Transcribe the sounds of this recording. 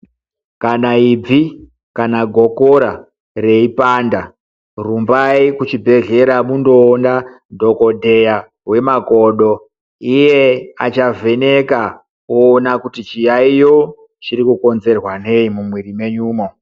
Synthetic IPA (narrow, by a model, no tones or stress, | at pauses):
kanaib͡vi | kanaɡʱo̞koɾa | re̞ipaːnda | rumbaikut͡ʃibʱe̞ɮe̞ɾamundo̞ːnda | dʱo̞ko̞dʱe̞ja | we̞maɡʱoɗo̞ | ije̞a̰t͡ʃave̞ne̞ka | oːnakutit͡ʃijaijo | t͡ʃiɾikuko̞nze̞rwane̞imumwirime̞ɲuːmo